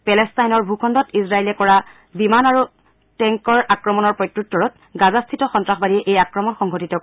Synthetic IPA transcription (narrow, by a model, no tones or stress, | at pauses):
pɛlɛstajnɔɹbʱukʰɔndɔtisɹaelɛkɔɹa | bimanaɹu | tɛŋkɔɹakɹɔmɔnɔɹpɹɔjtɹutːɔɹɔt̚ | ɡazastʰitɔxɔntɹaxbadiɛʔejakɹɔmɔnxɔŋɡʱɔtitɔk